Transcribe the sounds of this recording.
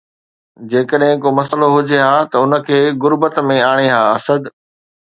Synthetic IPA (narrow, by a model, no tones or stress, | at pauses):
d͡ʑeːkəɗɦɪ̃komɐsəloɦʊd͡ʑeɦaːt̪ɐʊnə̆kʰeːɣʊɾbət̪mẽaːɽ̃eɦaːɐsəd̪